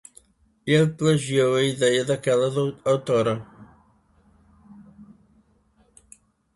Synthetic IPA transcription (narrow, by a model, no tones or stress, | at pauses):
elplɐʒiowɐiðɛjɐðɐkɛlɐðawt̪oɾɐ